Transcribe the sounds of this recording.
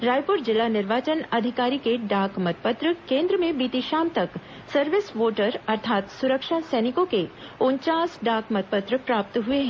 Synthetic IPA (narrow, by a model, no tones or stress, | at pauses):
ɾaːjpʊɾd͡ʒɪlanɪɾʋaːt͡ʃənɐd̪ʱɪkaːɾikeɖaːkmɐt̪̚pət̪ɾəkẽːnd̪ɾəmẽbiːt̪iʃaːmt̪ɐk | sɐɾʋɪsʋoːʈəɾɐɾt̪ʰaːt̪sʊɾəkʃasɛːnɪkõkeʊɲt͡ʃaːsɖaːkmɐt̪̚pət̪ɾəpɾaːp̚t̪ɦʊeɦɛ̃